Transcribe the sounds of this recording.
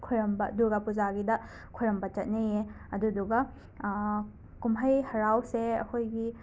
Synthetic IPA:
kʰujɾɐmbɐduɡapuzaɡidɐ | kʰujɾɐmbɐt͡ʃɐt̚neje | ɐduduɡɐ | kumɦɐjhɐɾawseɐ̰kʰojɡi

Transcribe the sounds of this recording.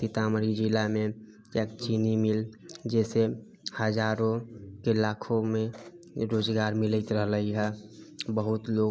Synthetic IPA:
t̪ɪt̪aməɾid͡ʒilamẽ | ekt͡ʃinimɪld͡ʒɛːse | həd͡ʒaːɾõkelaːkʰõmẽ | ɾoːd͡ʒɡaːɾmɪlət̪ɾəɦləɦiɦɛbəɦʊt̪loː

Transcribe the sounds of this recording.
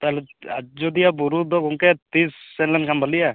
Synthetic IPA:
t̪aɦlɛad͡ʒɔd̪ijabuɾud̪ɔɡɔŋkɛt̪isːɛnlankʰanbʱalija

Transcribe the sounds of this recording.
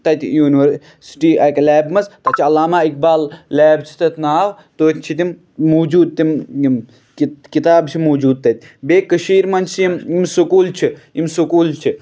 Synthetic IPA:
t̪ɐt̪ʲjuːniʋəɾ | si̥ʈiːʔɐklɛːbmɐst̪ɐt͡ʃʰiɐlaːmaːik̚baːllaːbt͡ʃʰi̥t̪ɐt̪ʰʲnaːʋ | t̪oːt̪ʲt͡ʃʰit̪im | moːd͡ʒuːd̪̚t̪imm | kikit̪aːbt͡ʃʰimoːd͡ʒuːd̪̚t̪ɐt̪̚ʰʲ | beːkəʃiːɾmɐnt͡ʃʰiimimsukuːlt͡ʃʰiimsukuːlt͡ʃʰi

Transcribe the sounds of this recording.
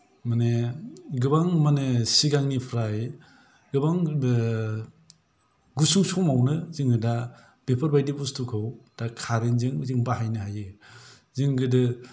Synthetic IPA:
maneɡɯbaŋmanesiɡaŋnipʰɾa | ɡɯbaŋ | ɡusuŋsɔmawnɯzɯŋɡɯda | b̥epʰɯɾbajdibustukʰɯwd̥akʰaɾenzɯŋzɯŋbaɦajnɯɦajɯ | zɯŋɡɯdɯ

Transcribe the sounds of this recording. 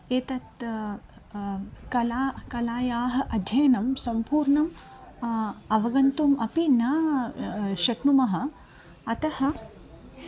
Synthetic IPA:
eːt̪ɐt̪ | kɐlaːkɐlaːjaːɦɐ̆ʔɐd̪ʱjɐjɐnɐmsɐmpuːɾɳɐm | ɐʋɐɡɐnt̪umɐpinaː | ʃɐknumɐɦɐ̆ | ɐt̪ɐhɐ̆

